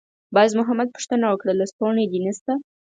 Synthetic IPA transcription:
bɑzmʊɦamad̪̚pu̥ʂt̪ənawəkɽalast̪oɳed̪inəst̪a

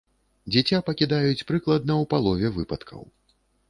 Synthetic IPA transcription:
d͡zʲɛt͡sʲapɐkʲid̪ajut͡sʲpɾɨklˠɐd̪nɐwpalˠɔvʲɛvɨpɐt̪kʰɐ̰w

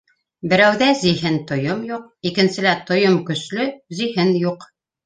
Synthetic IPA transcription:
bɘ̆ɾæwðæziɦɘnt̪ŏjomjuq̚ikɘ̆nsɘ̆læt̪ŏjomkɵ̆slɵziɦɘnjuq

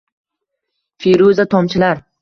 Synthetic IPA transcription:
feɾuzat̪ʰɒmt͡ʃʰɪlaɾ

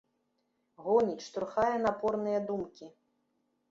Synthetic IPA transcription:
ɣɔnʲit͡ʃt̪ɾuxajɛnapɔrnɨjɐd̪umkʲi

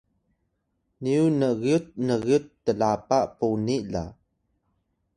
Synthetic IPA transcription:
niunəɣiut̪̚nəɣiut̪ːəlapaʔpunila̰

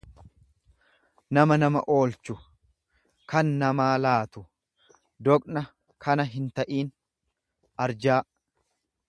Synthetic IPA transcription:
nɐmɐnɐmɐ̰ʔo̞ːlt͡ʃʊ | kɐnːɐmaːlaːt̪ʊ | d̪ɔkʼnɐ | kʰɐnɐɦɪnt̪ɐʔiːn | ʔɐɾd͡ʒaː

